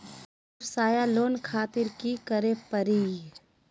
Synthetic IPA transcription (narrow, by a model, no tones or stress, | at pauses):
ɾsaːjaloːnkʰaːt̪ɪɾkikəɾepəɾiː